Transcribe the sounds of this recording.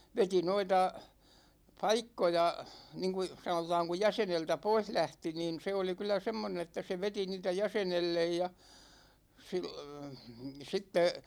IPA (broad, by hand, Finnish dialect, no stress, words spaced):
ʋeti noitɑ pɑikːojɑ niŋku sɑnotɑːŋ ku jæseneltæ pois læhti niːn̞ se oli kylˑæ semːonen etːæ se ʋeti niːtæ jæsenelːej jɑ sil sitːe